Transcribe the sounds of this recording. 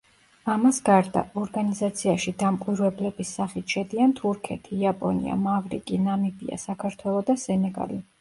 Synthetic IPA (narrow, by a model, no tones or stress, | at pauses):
amasɡaɾd̪a̰ʔɔɾɡanizat̪sʰiaʃid̪amkʼwiɾwɛblɛbisːaχit̪ʰʃɛd̪iant̪ʰuɾkʰɛt̪ʰiapʼɔ̰nḭa̰mavɾḭkʼinamibia̰sakʰaɾt̪ʰwɛlˠɔd̪asɛnɛɡa̰li